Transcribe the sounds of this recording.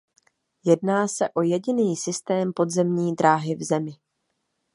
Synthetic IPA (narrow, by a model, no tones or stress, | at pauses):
jɛdnaːsɛʔo̞jɛɟɪniːsɪst̪ɛːmpo̞d̪zɛmɲiːd̪ɾaːɦɪvzɛmɪ